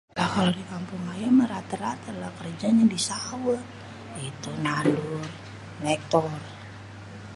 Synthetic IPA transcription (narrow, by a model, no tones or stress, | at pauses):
lahaldikampuŋajaməɾat̪əɾat̪əlakərd͡ʒaɲadisawə | it̪unadur | mɛk̚t̪ɔr